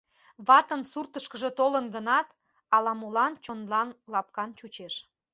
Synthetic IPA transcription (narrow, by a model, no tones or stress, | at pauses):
βɑt̪ənsurt̪əʃkəʒĕt̪olənɡənɑt̪ | ɑlɑmolɑnt͡ɕonlɑnlɑp̚kɑnt͡ɕut͡ɕeʃ